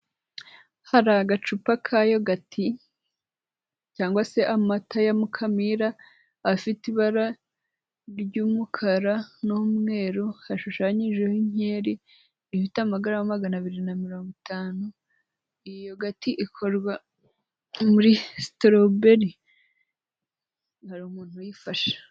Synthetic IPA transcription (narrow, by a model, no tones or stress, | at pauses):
haɾaɡat͡ʃupakʰajoɡatʰi | caːŋɡwase̞ʔamatʰajamukʰamiɾaː | fitiβaɾa | ɾɟuːmukʰaɾanumŋe̞ːɾohaʃuʃaːɲiʒehiɲeːɾi | ifitamaɡaɾamamaɡanaβiɾinamiɾo̞ːŋɡotʰaːnu | ijoɡatiʔikʰoɾɡwa | muɾistɾobeɾi | haɾuːmuːn̥hujifaʃḁ